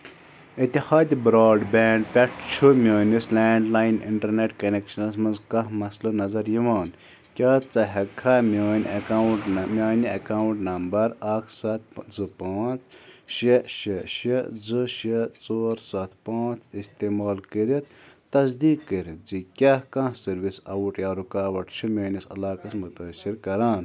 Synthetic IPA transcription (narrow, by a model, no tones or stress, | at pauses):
it̪ihaːd̪ibɾaːɖbeːɳɖpʲɐʈʰt͡ʃʰumʲoːnʲislɛːɳɖlaːjnḭɳʈɐɾneʈkɐnekʃɐnɐs̬mɨnzkɐɦmɐslɨnɐzɐɾjiʋaːn | kʲaːt͡sɐɦɐkʰamʲjoːnʲawʈmʲaːniɐkaːwɳʈnɐmbɐɾakʰsat̪̚ʰd͡zɨpaːt͡sʃeʃeʃed͡zɨʃet͡soːɾsat̪ʰpãːt͡sist̪eːmaːlkəɾit̪t̪ɐs̬d̪iːkːəɾd͡zikʲahkãhsɐɾʋisɐwuʈjaːɾukaːʋɐʈt͡ʃʰimʲoːnisɐ̰laːkɐsmut̪ɐsiɾkɐɾaːn